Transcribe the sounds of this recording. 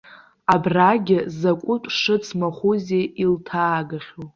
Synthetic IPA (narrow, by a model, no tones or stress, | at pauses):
abraɡʲɪzakʷʼʊt͡pʷʼʂɨt͡sʰmaχʷuzeiltʰaːɡaχʲo